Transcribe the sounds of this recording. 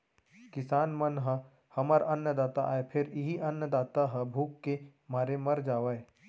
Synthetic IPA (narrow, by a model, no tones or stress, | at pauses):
kɪsaːnmɐnɦə | hɐməɾʔɐnjəd̪aːt̪a̰ʔaːepʰɪɾɪɦiʔɐnjəd̪aːt̪aɦəbʱuːkːemaːɾemɐɾd͡ʒaːʋəe